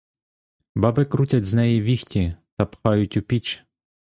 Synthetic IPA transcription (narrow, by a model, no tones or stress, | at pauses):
bɑbɪkɾutʲɐtʲznɛjiʋʲixtʲit̪ɐpxɑjʊtʲʊpʲit͡ʃ